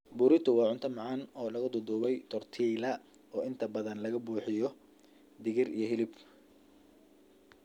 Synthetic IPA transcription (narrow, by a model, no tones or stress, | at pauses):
bʊɾɪt̪ʰʊwɑːʕʊnt̪ʰɐmɑʕɑnɔːlɐɣɐd̪ʊd̪ʊβɛjt̪ʰɔrt̪ʰiːlɐ | ɔːɪnt̪ʰɐbɐðɐnlɐɣɐbuːħɪjɔ | d̪ɪɣɪrḭjɞɦɪlɪb